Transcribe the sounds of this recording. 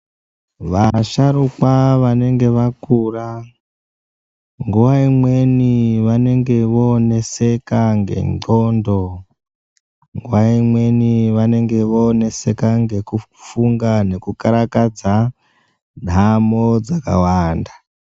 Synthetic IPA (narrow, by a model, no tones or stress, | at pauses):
ʋaʃaɾukwaʋane̞ŋɡe̞ʋakura | ŋɡuwaimwe̞niʋane̞ŋɡe̞ʋoːne̞se̞kaŋɡe̞̰ŋ͡ǃondo | ŋɡuwaimwe̞niʋane̞ŋɡe̞ʋoːne̞se̞kaŋɡe̞kufuŋɡane̞kukaɾakad͡za | n̤ʱamod͡zaka̰waːnda